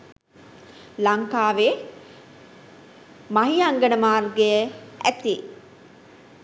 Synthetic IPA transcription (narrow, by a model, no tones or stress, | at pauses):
laŋkaːʋe | maɦiaŋɡənəmaːrɡejəæt̪i